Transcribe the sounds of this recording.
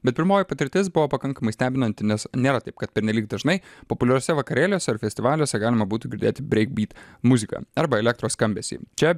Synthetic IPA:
bʲɛt̪̚pʲɪɾmoːjipɐt̪ʲɪɾʲt̪ʲɪːsbʊʋoːpɐkɐŋkɐmɐɪsʲt̪ʲæːbʲɪnɐnt̪ʲɪnʲɛsnʲeːɾɐt̪ɐɪp̚kɐt̪̚pʲɛɾʲnʲɛlʲiːk̚d̪ɐʒnɐɪpopʊlʲɛɾʲoːsʲɛʋɐkɐɾʲeːlʲoːsʲɛɪɾfʲɛsʲt̪ʲɪʋɑːlʲoːsʲɛɡɑːlʲɪmɐbuːt̪uɡʲɪɾʲd̪ʲeːt̪ʲɪbʲɾʲɛɪk̚bʲiːt̪mʊzʲɪkɑ̰ːɐɾbɐɛlʲɛk̚t̪ɾoːsskɐmʲbʲɛːsʲḭːt͡ʃʲɛ

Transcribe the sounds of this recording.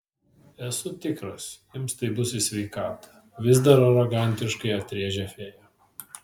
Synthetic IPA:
ɛsʊt̪ʲɪkɾɐsʲ | ɪmst̪ɐɪbʊsʲɪsʲʋʲɛɪkɑːt̪ɐ̥ | ʋʲɪzd̪ɐɾɐɾɔɡɑˑnʲt̪ʲɪʃkɐɪɐt̪ʲɾʲiɛʒʲɛfʲeːjo

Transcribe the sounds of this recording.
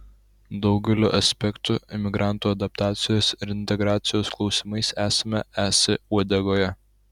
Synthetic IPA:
d̪ɒʊɡʲɛlʲoːʔɐsʲpʲɛkt̪uɪmʲɪɡɾʔɑˑnt̪uːɐd̪ɐp̚t̪ɑːt̪sʲɪjoːsɪɾɪnʲt̪ʲɛɡɾɑːt̪sʲɪjoːsklˠɒʊsʲɪmɐɪsæːsɐmʲɛæːsʲɪuɔd̪ʲɛɡoːjɛ

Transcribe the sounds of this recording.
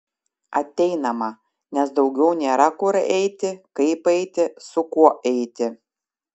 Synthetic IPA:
ɐt̪ʲɛɪnɐmɐ | nʲɛsd̪ɒʊɡʲɛʊnʲeːɾɐkʊɾɛɪt̪ʲɪkɐɪpɛɪt̪ʲɪsʊkuɔʔɛɪt̪ʲɪ

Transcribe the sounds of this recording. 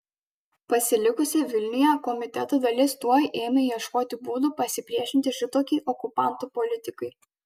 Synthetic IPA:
pɐsʲɪlʲɪkʊsʲɛʋʲɪlʲnʲɪjɛkɔmʲɪt̪ʲɛt̪oːd̪ɐlʲɪst̪uɔjʔeːmʲɛjiɛʃkoːt̪ʲɪbuːd̪upɐsʲɪpʲɾʲiɛʃʲɪnʲt̪ʲɪʃʲɪt̪oːkʲiʔɔkʊpɑˑnt̪uːpɔlʲɪt̪ʲɪkɐɪ

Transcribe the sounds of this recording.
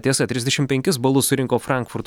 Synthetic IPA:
t̪ʲiɛsɐt̪ʲɾʲɪzd̪ʲɛʃʲɪmpʲɛ̃ŋʲkʲɪs̬bɐlˠʊssʊɾʲɪŋkoːfɾɑˑŋkfʊɾt̪

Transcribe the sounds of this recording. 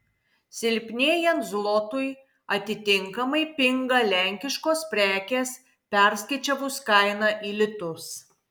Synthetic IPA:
sʲɪlʲpʲnʲeːjɛnt̪zlˠoːt̪ʊj | ɐt̪ʲɪt̪ʲɪŋkɐmɐɪpʲɪŋɡɐlʲæŋʲkʲɪʃkoːspʲɾʲæːkʲeːs | pʲɛɾʲsʲkʲɐɪt͡ʃʲɛʋʊskɐɪnɑʔiːlʲɪt̪ʊs

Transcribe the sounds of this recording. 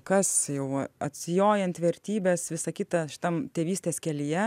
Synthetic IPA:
kɐsjɛʊɐɐt̪ʲsʲɪjoːjɛnt̪ʋʲɛɾʲt̪ʲiːbʲeːsʋʲɪsɐkʲɪt̪ɐʃʲɪ̥t̪ɐmt̪ʲeːʋʲiːsʲt̪ʲeːskʲɛlʲɪjɛ

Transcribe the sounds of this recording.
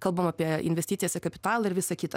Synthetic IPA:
kɐlˠbɐmɑːpʲiɛɪnʲʋʲɛsʲt̪ʲit̪sʲɪjoːsʲɛkɐpʲɪ̥t̪ɑːlˠɐɪɾʋʲɪsɐkʲɪt̪ɐ

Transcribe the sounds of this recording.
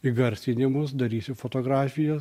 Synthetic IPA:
iɡɐɾʲsʲɪnʲɪmʊs̬d̪ɐɾʲiːsʲɪfoːt̪oːɡɾɑːfʲɪjɛ

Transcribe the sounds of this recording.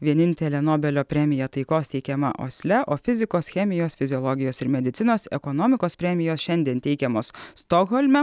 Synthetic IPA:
ʋʲiɛnʲɪnʲt̪ʲɛlʲɛnoːbʲɛlʲoːpʲɾʲɛmʲɪjɛt̪ɐɪkoːst̪ʲɛɪkʲɛmɐ̰ʔo̰ːsʲlʲɛʔoːfʲɪzʲɪkoːsxʲɛmʲɪjoːsfʲɪzʲɪɔlˠɔɡʲɪjoːsɪɾmʲɛd̪ʲɪt̪sʲɪnoːsɛ̰kɔnɔmʲɪkoːspʲɾʲɛmʲɪjoːsʃʲɛnʲd̪ʲiɛnt̪ʲɛɪkʲɛmoːsst̪ɔɣɔlʲmʲɛ

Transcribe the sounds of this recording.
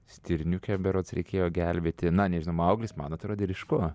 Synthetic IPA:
sʲt̪ʲɪɾʲnʲukʲɛbʲɛɾoːt̪sɾʲɛ̰ɪkʲeːjoːɡʲɛlʲbʲeːt̪ʲɪnɐnʲɛʒʲɪnɐʊɐʊɡlʲɪsmɐnɐt̪ɾoːd̪ʲeɾʲɪʃkoː

